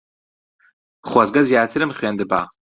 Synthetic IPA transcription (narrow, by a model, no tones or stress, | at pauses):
χwazɡɐzjaːt̪ʰɨɾɨmχweːnd̪ɨba̰ː